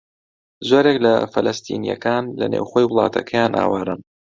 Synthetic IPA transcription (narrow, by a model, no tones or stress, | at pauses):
zoːɾeklɐfɐlɐst̪ʰḭːnijɐ̰kaːnlɐnḛːwxojwʊlˠɑːt̪ʰɐkʰɐjaːnʔa̰ːwaɾɨm